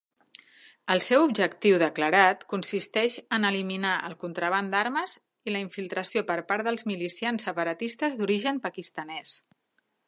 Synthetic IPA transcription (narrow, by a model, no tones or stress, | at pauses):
əlˠsɛwubʒəkt̪iwðəkləɾat̪kunsist̪ɛʃənəliminaʔə̰lˠkunt̪ɾəβ̞and̪aɾməz | iləiɱfilˠt̪ɾəsiopəɾpaɾðəlˠzmilisiansːəpəɾət̪ist̪əzðuɾiʒənpəkist̪ənɛs